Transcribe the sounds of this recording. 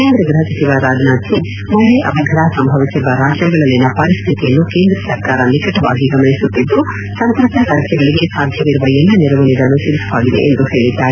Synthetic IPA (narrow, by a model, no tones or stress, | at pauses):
keːnd̪ɾɐɡɾɐɦɐsɐt̪iʋaɾaːd͡ʒnaːt̪ʰːi | mɐleʔɐbʱɐɡʱɐɾaːsɐmbʱɐʋisiʋɐɾaːd͡ʒjɐɡɐɭɐlːinːɐpɐɾist̪ʰit̪ijɐnːuke̞ːnd̪ɾɐsɐɾkaːɾɐnikɐʈɐʋa̰ːɡiɡɐmɐɭisut̪ːid̪ːu | sɐnt̪ɾɐt̪ɐɾaːd͡ʒjɐɡɐɭiɡe̞saːd̪ʱjɐʋiɾuʋɐjɐlːɐniɾɐʋɐɳɛɡ̪ɐnːuʃiɾisɐʋaːɡid̪ḛʔend̪uhe̞ːɭid̪ːaːi